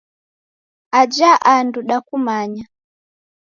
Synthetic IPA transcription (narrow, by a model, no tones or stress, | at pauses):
ad͡ʒaʔanduɗakumaɲa